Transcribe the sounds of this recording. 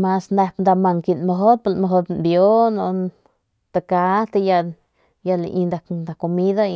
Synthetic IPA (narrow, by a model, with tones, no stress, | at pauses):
ma˧sne˧pnd̪a˧ma˧ŋki˧nmo˧ɦo˦t̪̚pa˧˨lma˧ɦo˧t̪bjo˦no˧ | t̪a˧ka˧˦t̪a˧ja˧ | ja˧li˧nd̪a˨k̪d̪a˨ko˧mi˦d̪a˦